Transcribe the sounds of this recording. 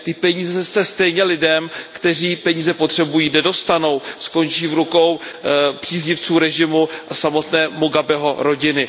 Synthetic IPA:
t̪ɪpɛɲiːzɛsɛst̪ɛjɲɛlɪdɛmkt̪ɛr̝iːpɛɲiːzɛpot̪r̝̥ɛbujiːnɛdo̞st̪ano̞wsko̞nt͡ʃiːvɾuko̞wpr̥iːzɲɪft͡suːɾɛʒɪmuʔasamo̞t̪nɛːmoɡabɛɦo̞ɾo̞ɟɪnɪ

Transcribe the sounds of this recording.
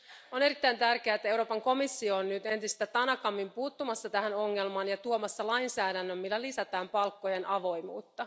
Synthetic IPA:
one̞ɾit̪ːæjnt̪ærk̟eæːet̪ːæe̞wɾo̞ːpɑŋko̞misːioːnnyt̪e̞nt̪ist̪æt̪ɑnɑkɑmːimpuːt̪ːumɑsːɑt̪æhæno̞ŋːe̞lmɑːnjɑt̪uomɑsːɑlɑjnsæːdænːømːilːælisæt̪æːmpɑlkːo̞je̞nɑʋo̞jmṵːt̪ːɑ

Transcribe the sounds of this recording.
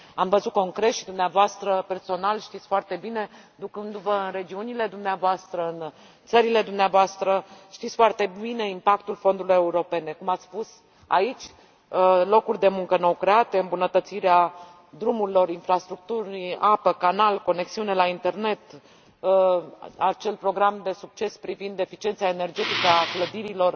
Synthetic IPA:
amvəzut̪̚ko̞ŋkɾe̞t̪ʃid̪umneavoast̪ɾəpe̞rso̞nalʃt̪it̪sʲfoart̪e̞bine̞ | d̪ukɨnd̪uvəɨnre̞d͡ʒiunile̞d̪umneavoast̪ɾəɨn | t̪səɾile̞d̪umneavoast̪ɾəʃt̪it̪sʲfoart̪e̞bine̞impak̚t̪ulfo̞nd̪uɾiluje̞uɾo̞pe̞ne̞kumat̪sspus | a̰it͡ʃʲ | lo̞kurʲd̪e̞muŋkənowkɾe̞at̪e̞ɨmbunət̪ət̪siɾea | d̪ɾumuɾilo̞ɾinfɾast̪ɾuk̚t̪uɾapəkanalko̞ne̞ksiune̞laint̪e̞rne̞t̪ | at͡ʃe̞lpɾo̞ɡɾamd̪e̞suk̚t͡ʃe̞spɾivind̪e̞fit͡ʃient̪saene̞rd͡ʒe̞t̪ikəakləd̪iɾilo̞r

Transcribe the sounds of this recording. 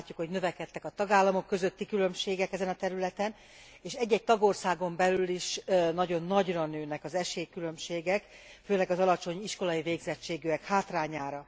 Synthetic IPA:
acːukho̞ɟnø̞vɛkɛt̪ːɛkɒt̪ɒɡaːlːɒmo̞kːø̞zøt̪ːikylø̞mʃeːɡɛkɛzɛnɒt̪ɛɾylɛt̪ɛn | eːʃɛɟːɛc̚t̪ɒɡo̞rsaːɡo̞mbɛlyliʃnɒɟo̞nːɒɟrɒnøːnɛkɒzɛʃeːkylø̞mʃeːɡɛk | føːlɛɡɒzɒlɒt͡ʃo̞ɲiʃko̞lɒiveːɡzɛt͡ʃːeːɡyɛkhaːt̪raːɲaːɾɒ

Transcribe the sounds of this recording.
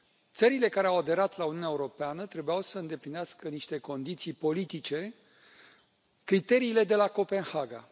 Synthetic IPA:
t̪səɾile̞kaɾeawad̪e̞ɾat̪launiuneaeuɾo̞peanət̪ɾe̞bujawsəɨnd̪e̞plineaskəniʃt̪e̞ko̞nd̪it̪sijpo̞lit̪it͡ʃe̞ | kɾit̪e̞ɾiːle̞d̪e̞lako̞pe̞nhaɡa̰

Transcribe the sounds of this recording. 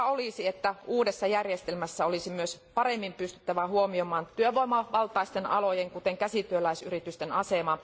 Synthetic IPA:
olisiet̪ːæuːdesːɑjærjest̪elmæsːæolisimyøspɑɾemːimpyst̪y̥t̪ːæʋæhuomiomɑːnt̪yøʋoimɑʋɑlt̪ɑist̪enɑ̰lojeŋkut̪eŋkæsit̪yølæisyrit̪yst̪enɑsemɑ

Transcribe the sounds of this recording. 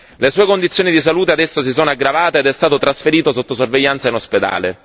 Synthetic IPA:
lesuːekond̪it̪sjoːnid̪is̬aluːt̪ead̪ɛsːos̬isoːnoaɡːɾavaːt̪eːd̪ɛst̪aːt̪ot̪ɾasfeɾiːt̪osot̪ːosorveʎːant̪sainosped̪a̰ːle

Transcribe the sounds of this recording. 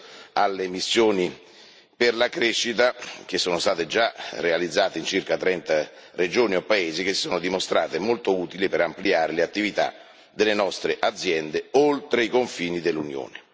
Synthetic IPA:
alːemisːjoːni | perlakɾeʃːit̪ak̟esːoːnost̪aːt̪ed͡ʒarealid̪zːaːt̪eint͡ʃirkat̪ɾɛnt̪a | red͡ʒoːniopːaeːzik̟essoːnod̪imost̪ɾaːt̪emolt̪ouːt̪ilipeɾampliaːɾeleat̪ːivit̪a̰ | d̪elːenɔst̪ɾeʔad̪zːjɛnd̪eolt̪ɾeikoɱfiːnid̪elːunjo̰ːne

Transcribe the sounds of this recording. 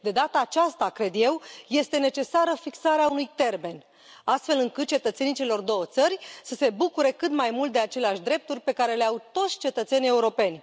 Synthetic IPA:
d̪e̞d̪at̪aːt͡ʃast̪akɾe̞d̪je̞wje̞st̪e̞ne̞t͡ʃe̞saɾəfiksaɾeaunujt̪e̞rme̞n | ast̪fe̞lɨŋkɨt̪̚t͡ʃe̞t̪ət̪se̞nit͡ʃelo̞rd̪o̞wət̪sərʲsəse̞bukuɾe̞kɨt̪majmult̪̚d̪e̞at͡ʃe̞leaʃʲd̪ɾe̞p̚t̪urʲpe̞kaɾe̞leawt̪o̞t̪sʲt͡ʃe̞t̪ət̪se̞nie̞uɾo̞pe̞nʲ

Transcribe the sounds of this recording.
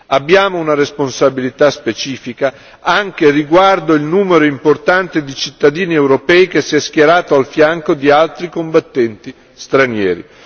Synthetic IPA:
abːjaːmounaɾesponsabilit̪aspet͡ʃiːfika | aŋk̟eriɡward̪oilnuːmeɾoimport̪ant̪ed̪it͡ʃit̪ːad̪iːniɛwɾopɛːikesːiɛsk̟jeɾaːt̪oalfjaŋkod̪ialt̪ɾikombat̪ːɛnt̪i | st̪ɾanjɛːɾḭ

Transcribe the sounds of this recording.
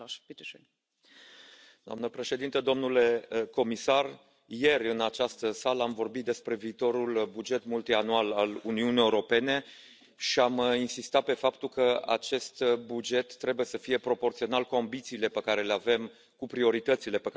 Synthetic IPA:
d̪oa̰mnəpɾe̞ʃe̞d̪int̪əd̪o̞mnule̞ko̞misar | je̞rʲɨnat͡ʃast̪əsaləamvo̞rbit̪̚d̪e̞spɾe̞viːt̪o̞ɾulbud͡ʒe̞t̪mult̪ianualaluniunijeuɾo̞pe̞ne̞ | ʃiaminsist̪at̪̚pe̞fapt̪ulkəa̰t͡ʃe̞st̪bud͡ʒe̞t̪ːɾe̞buje̞səfije̞pɾo̞po̞rt̪sio̞nalkuambit̪siːle̞pekaɾe̞leave̞m | kupɾio̞ɾit̪ət̪sile̞pek

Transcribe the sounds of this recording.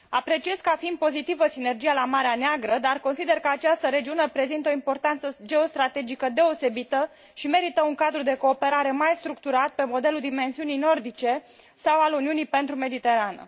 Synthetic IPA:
apɾe̞t͡ʃie̞zkəafind̪̚po̞zit̪ivəsine̞rd͡ʒijalamaɾeaneaɡɾəd̪arko̞nsid̪e̞rkəat͡ʃast̪əɾe̞d͡ʒiune̞pɾe̞zint̪o̞impo̞rt̪ant̪səd͡ʒe̞o̞st̪ɾat̪e̞d͡ʒikəd̪e̞o̞se̞bit̪ə | ʃime̞ɾit̪əuŋkad̪ɾud̪e̞ko̞ːpe̞ɾaɾe̞majst̪ɾuk̚t̪uɾat̪̚pe̞mo̞d̪e̞luld̪ime̞nsiunijno̞rd̪it͡ʃe̞ | sawaluniunijpe̞nt̪ɾume̞d̪it̪e̞ɾanə̰

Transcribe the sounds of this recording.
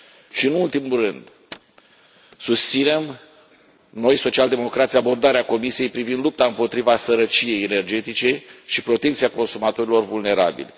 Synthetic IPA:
ʃiɨnult̪imurɨnd̪ | sust̪sine̞m | no̞jso̞t͡ʃiald̪e̞mo̞kɾat̪sjabo̞rd̪aɾeako̞misije̞jpɾivind̪lup̚t̪aɨmpo̞t̪ɾivasəɾət͡ʃije̞jene̞rd͡ʒe̞t̪it͡ʃe̞ʃipɾo̞t̪e̞kt̪siako̞nsumat̪o̞ɾilo̞rvulne̞ɾa̰bḭlʲ

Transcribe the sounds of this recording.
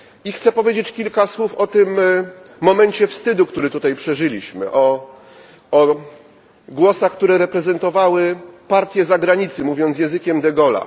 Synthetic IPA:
ixt̪sɛpɔvʲjed͡ʑet͡ɕkʲilkaswufɔt̪ɘmː | ɔmɛɲt͡ɕɛfst̪ɘd̪ukt̪uɾɘt̪ut̪ajpʂɛʐɘlʲiɕmɘ̰ʔɔ | ɔ | ɡwɔsaxk̚t̪uɾɛɾɛpɾɛzɛnt̪ɔvawɘpaɾt̪ʲjɛzaɡɾaɲit̪sɘmuvʲjɔnjɛ̃zɘkʲɛmd̪ɛɡɔla̰

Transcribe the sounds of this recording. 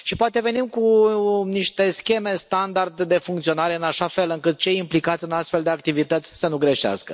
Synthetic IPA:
ʃipoat̪e̞ve̞nimkuniʃt̪e̞skʲe̞me̞st̪and̪ard̪d̪e̞fuŋkt̪sio̞naɾe̞ɨnaʃafe̞lɨŋkɨt̪̚t͡ʃe̞jimplikat̪sʲɨnast̪fe̞ld̪e̞ak̚t̪ivit̪ət̪sʲsənuɡɾe̞ʃea̰skə

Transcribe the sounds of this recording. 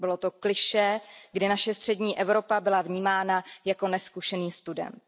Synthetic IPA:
bɪlot̪o̞klɪʃɛɡdɪnaʃɛst̪r̥ɛdɲiːʔɛvɾo̞pabɪlavɲiːmaːnajako̞nɛskuʃɛniːst̪udɛ̰m

